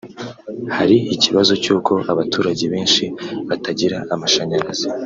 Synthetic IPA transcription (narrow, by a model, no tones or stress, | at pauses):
haɾiiciβazo̞cuːkʰo̞ʔaβatʰuːɾaɟe̞βe̞ːnʃiβataɟiɾaʔːmaʃaɲaɾaz̥e